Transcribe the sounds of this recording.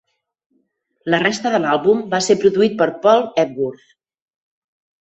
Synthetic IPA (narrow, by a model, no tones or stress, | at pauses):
lərest̪əðəlalˠβumbasepɾuðuit̪̚pəɾpɔlˠɛt̪̚wuɾθ